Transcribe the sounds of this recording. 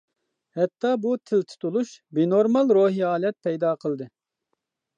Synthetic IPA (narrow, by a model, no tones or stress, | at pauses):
hɛt̪ʰːɑbut̪ʰɪlt̪ʰu̥t̪ulˠuʃbenoɾmɑlˠɾoːɦiɑːlɛt̪̚pʰɛjd̪ɑːqʰəlˠd̪ɨ